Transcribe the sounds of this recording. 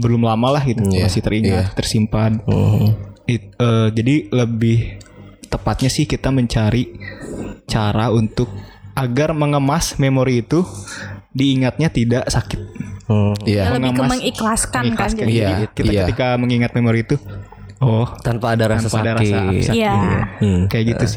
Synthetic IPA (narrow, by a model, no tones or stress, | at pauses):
bəlʊmlamalahɡit̪umasɪht̪əɾiŋat̪t̪ərsimpan | iəd͡ʒadiləbɪht̪əpat̪̚ɲasɪhkit̪aməɲt͡ʃaɾi | t͡ʃaɾaunt̪ʊk̚ʔaɡarməŋəmasmemoɾiːt̪u | diːŋat̪̚ɲat̪idaʔsakɪt̪̚ | aməŋəmasməŋiklaskaŋiklasd͡ʒaaikit̪akət̪ikaməŋiŋat̪̚memoɾiːt̪u | ɔht̪anpadaɾaanapadaɾasaj | kajaʔɡit̪us